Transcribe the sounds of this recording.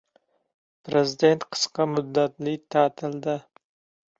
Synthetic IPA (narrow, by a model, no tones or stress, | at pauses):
pʰɾezɪd̪e̞nt̪qʰə̥sqɑmʊd̪ːat̪lɪt̪ʰaːt̪ʰɪld̪ɪ